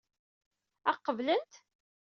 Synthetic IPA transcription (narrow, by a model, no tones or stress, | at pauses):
æqːəvlənt̪